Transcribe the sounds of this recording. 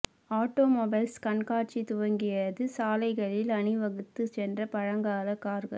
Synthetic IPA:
aːʈːoːmoːbɐɪlskɐɳkaːʈ̚t͡ʃit̪ʊʋɐŋɡɪjɐðɯsaːlɐɪɣɐɭɪlɐɳɪʋɐɣɯt̪ːɯsɛndrɐpɐɻɐŋɡaːlɐkaːɾɣɐ̰l

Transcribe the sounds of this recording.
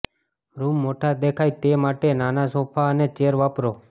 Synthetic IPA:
ɾumːoʈʰad̪ekʰajt̪emaʈenanasopʰaənet͡ʃeɾʋapɾo

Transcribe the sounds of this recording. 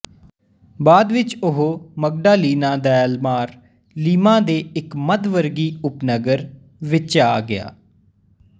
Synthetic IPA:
baːd̪ʋɪt͡ʃʊɦoːməɡ̚ɖaːliːnaːd̪ɛːlmaːɾ | liːmãːd̪eːɪkməd̪ʋəɾɡiːʊpnəɡəɾ | ʋɪt͡ʃaːɡɪa̰ː

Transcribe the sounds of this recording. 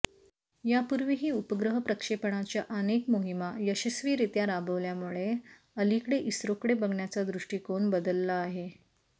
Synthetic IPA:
japuɾʋiɦiːupəɡɾəɦəpɾəkʂepəɳ̃at͡ɕjaʔənekmoɦimajəɕəsʋiːɾit̪jaɾabəʋljamuɭe | əlikɽeʔisɾokɽebəɡɳjat͡sad̪ɾuʂʈiːkoɳbəd̪əlːaːɦe

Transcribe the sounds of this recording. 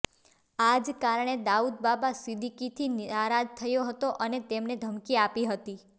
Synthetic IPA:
ad͡ʒkaɾɳ̃ed̪aud̪̚babasid̪ʱikit̪ʰinaɾad͡ʒt̪ʰəjoɦət̪oʔənet̪emned̪ʱəmkiapiɦət̪i

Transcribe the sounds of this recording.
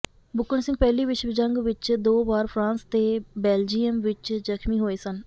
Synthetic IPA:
bʊkːənsɪ̃ŋɡ̚pɛːliːʋɪt͡ʃʋd͡ʒəŋɡʋɪt͡ʃd̪oːbaːɾpʰɾãːnst̪eːbɛːld͡ʒiːəmʋɪt͡ʃzəkʰmiːɦoːeːsən

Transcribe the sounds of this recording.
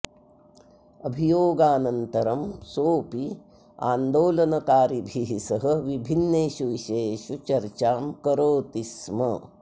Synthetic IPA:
ɐbʱijoːɡaːnɐnt̪ɐɾɐmsoːpi | a̰ːnd̪oːlɐnɐkaːɾibʱiɦisɐɦɐ̆ʋibʱinːeːʃuʋiʃeːʃut͡ʃɐɾt͡ʃaːmkɐɾoːt̪ismɐ̰

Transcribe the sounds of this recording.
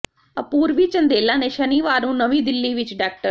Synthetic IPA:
ə̰puːɾʋit͡ʃə̃nd̪eːlãːneʃəniːʋaːɾũːnəʋĩːd̪ɪlːiːʋɪt͡ʃɖaːk̚ʈəɾ

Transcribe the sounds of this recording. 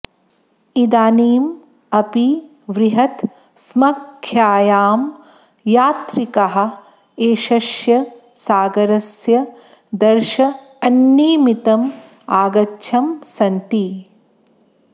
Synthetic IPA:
id̪aːniːm | ɐpi | ʋɾiɦɐt̪ | smɐkʰːjaːjaːm | jaːt̪ɾikɐɦɐ̆ | eːʃɐʃjɐ | saːɡɐɾɐsjɐ | d̪ɐɾʃɐ | ɐnːiːmit̪ɐm | aːɡɐtːʃʰɐmsɐnt̪i

